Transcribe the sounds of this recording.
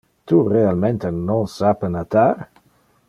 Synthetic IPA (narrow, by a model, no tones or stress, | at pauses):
t̪urealmẽnt̪enõnsapənat̪aɾ